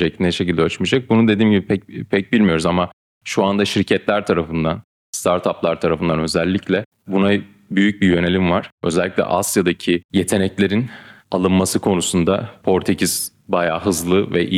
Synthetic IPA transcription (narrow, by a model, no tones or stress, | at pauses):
eclʲind̪ɛʃecilʲd̪ɛøt͡ʃmid͡ʒak̚bunud̪e̞d̪iːmɟibipʰɛpʰɛc̚bilʲmijo̞ɾuzama | ʃuand̪aʃiɾcʰɛt̪lʲæɾt̪ʰaɾafɯnd̪an | st̪ʰaɾt̪ʰaplˠaɾt̪ʰaɾafɯnd̪anø̞zɛlʲːiclʲɛ | buna | byjyc̚bijø̞ne̞lʲimvaɾ̥ø̞zɛlʲːiclʲɛ̰ʔasjad̪acʰije̞t̪ʰe̞nɛclʲe̞ɾinalˠɯnmːasɯkʰo̞nusund̪apʰo̞ɾt̪ʰecʰiz̥ | bajaːɦɯzlˠɯvɛʔi